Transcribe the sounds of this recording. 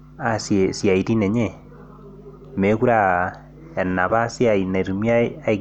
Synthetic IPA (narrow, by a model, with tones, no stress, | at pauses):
a˨sje˨sja˨i˨ti˦ne˨ɲe˦˨ | me˨˦ku˦ɾa˦ | a˨nːa˨βa˦si˦a˨i˨na˨ɾu˨mi˦aː˦i˦